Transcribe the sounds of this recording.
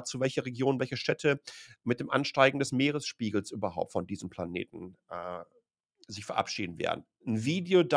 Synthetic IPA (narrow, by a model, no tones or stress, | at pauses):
t͡suvɛlçɐʁeɡjoːnvɛlçəʃtʰɛtʰəmɪt̚d̥eːmʔa̰nʃtaɪɡŋ̩dɛsmeːʁəsʃpiːɡl̩sʔyːbɐɦaʊp̚tfɔndiːzəmpʰl̥anḛːtn̩ʔɛ | zɪçfɛɐʔa̰pʃḭːdn̩vḛːɐdn̩ | n̩viːdeod